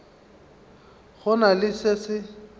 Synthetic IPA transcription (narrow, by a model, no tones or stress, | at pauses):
ɣʊnalɪsɪsɪ